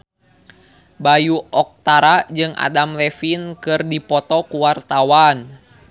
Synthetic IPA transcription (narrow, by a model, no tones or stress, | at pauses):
bajuɔk̚t̪aɾad͡ʒɨŋʔa̰damlɛfinkɨrdipɔt̪ɔkuwart̪awan